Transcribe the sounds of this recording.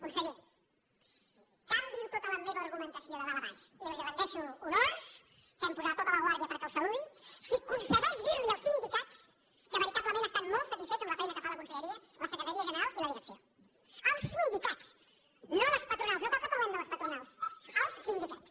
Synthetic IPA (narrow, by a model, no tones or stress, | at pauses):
kunseʎe | kamd̪iɾt̪ot̪əlɐmeβɐːɾɣumə̃nt̪ɐsjoðəðalɐɾa̰ʃilˠɣɾɐnt̪ɛʃuːnoɾs | kɛmpuzat̪t̪ːot̪əlɐɣwaɾðjɐpəɾkəlˠsəlunsikunseɣɛʒðiɾliəlˠsind̪ikat̪s | kəβəɾit̪aβləmẽnest̪ammolˠsɐt̪isfɛt͡ʃzəmlɐfɛjnɐkəfalɐkunsəʎeɾiɐlɐsəkɾet̪aɾiɐʒəneɾalˠilɐðiɾəksjo | əlˠsind̪ikat̪s | nõðɐspɐt̪ɾunalˠsnok̪ak̪op̪ɾmẽnd̪əlɐspɐt̪ɾunalˠsəlˠssind̪ikat̪s